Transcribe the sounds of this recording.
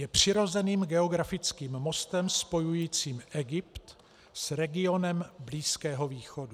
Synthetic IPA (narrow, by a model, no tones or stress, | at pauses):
jɛpr̝̥ɪɾo̞zɛniːmɡɛo̞ɡɾafɪt͡skiːmːo̞st̪ɛmspo̞jujiːt͡siːmʔɛɡɪpt̪ | sɾɛɡɪo̞nɛmbliːskɛːɦo̞viːxo̞du